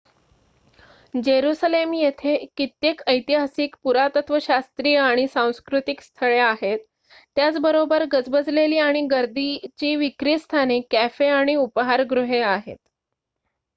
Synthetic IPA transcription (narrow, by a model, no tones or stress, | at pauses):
d͡ʑeɾusalemjet̪ʰekit̪jekəjt̪iɦasiːkpuɾat̪ət̪ʋəɕast̪ɾiːəaɽ̃isãw̃skɾut̪ikst̪ʰəɭeaɦet̪ː | jat͡sbəɾobəɾɡəd͡zbəd͡zleliːaɽ̃iɡəɾd̪it͡ɕiːʋikɾist̪ʰanekæfeaɽ̃iupɦaɾɡɾuɦeaɦḛt̪̚